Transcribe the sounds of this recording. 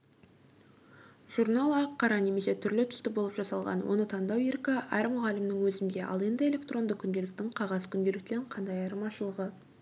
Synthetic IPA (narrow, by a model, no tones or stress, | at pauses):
ʒ̥uɾnalˠɑqʰːɑɾɑne̞me̞se̞t̪ʰʏɾlɪt̪ʰʏ̥st̪ɪbo̞lˠəpʒɑsɑlˠʁɑ̰nwʔo̞̰nət̪ʰɑnd̪ɑweɾkɑʔæɾmʊʁɑlɪmnɪŋwɵzɪnd̪e̞ʔɑ̰lˠe̞nd̪ɪe̞le̞kt̪ro̞nd̪əkʲʰʏnd̪elɪk̚t̪ɪŋqʰɑʁɑzkʲʰʏnd̪e̞lɪkt̪e̞ɾɪɴqʰɑnd̪ɑjɑɾmɑʃəlˠəʁə